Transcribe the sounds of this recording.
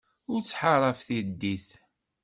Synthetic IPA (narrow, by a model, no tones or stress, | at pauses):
ʊɾt͡sːħaɾˤɑfθid̪ːiθ